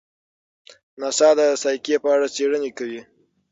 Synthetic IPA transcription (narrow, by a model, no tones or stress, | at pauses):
nasɑd̪əsɑjkepəaɽat͡seɽənekawi